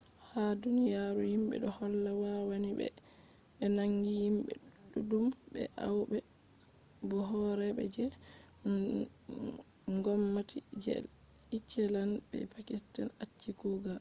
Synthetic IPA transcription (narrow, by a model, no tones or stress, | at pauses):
hadunijaɾuhimbɛ̰ɗɔhɔlːawawanibɛ̰ | ɓɛnaŋɡihimbɛ̰ | ɗudumbɛ̰ʔawbɛ | bɔɦɔɾɛbɛ̰d͡ʒɛ | ŋɡɔmːatid͡ʒɛ̰it͡ʃːɛlanbɛ̰pakistanat͡ʃːikuɡa